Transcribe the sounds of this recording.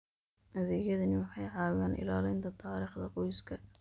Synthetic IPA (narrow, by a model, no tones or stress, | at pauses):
ʔɐðɛjɐðɐnɪwɑħɑjʕɑːɣaːnʔɪ̰laːlɛjnt̪ʰɐt̪ʰɑːɾiːχd̪ɐqɔjskʰɐ